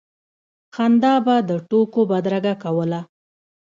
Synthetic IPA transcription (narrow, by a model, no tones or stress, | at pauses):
xand̪ɑbad̪əʈokobad̪ɾaɡakawəla